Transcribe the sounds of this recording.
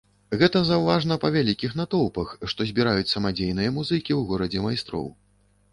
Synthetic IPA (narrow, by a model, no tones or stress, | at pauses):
ɣɛt̪ɐzɐwvaʐnɐpɐvʲalʲikʲixn̪at̪ɔwpɐxʂt̪ɔzʲbʲiɾajut͡sʲsɐmad͡zʲejnɨjɐmuzɨkʲiwɣɔɾɐd͡zʲɛmajst̪ɾɔ̰w